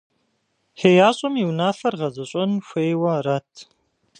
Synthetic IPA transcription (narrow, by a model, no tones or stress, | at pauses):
xeːjaːɕʼɐmiwnaːfɐrʁɐzɐɕʷʼɐnxʷeːjwɐratʰ